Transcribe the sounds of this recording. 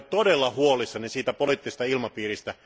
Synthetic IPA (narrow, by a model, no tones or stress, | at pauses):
t̪odelːɑhuolisːɑnisiːt̪æpoliːˑt̪ːise̥st̪ɑilmɑpiːɾist̪æ